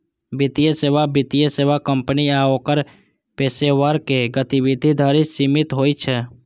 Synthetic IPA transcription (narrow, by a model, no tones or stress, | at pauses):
bɪt̪ijəseːʋabɪt̪ijəseːʋakəmpəniaːokəɾ | peːseʋaɾkeɡət̪iʋɪd̪ʱid̪ʱaːɾisimɪt̪ɦoːit͡ʃʰɛ